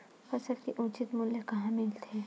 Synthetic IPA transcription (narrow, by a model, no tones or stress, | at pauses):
fɐsəlkiʔũːt͡ʃɪt̪mũljəkɐɦãmɪlt̪ʰeː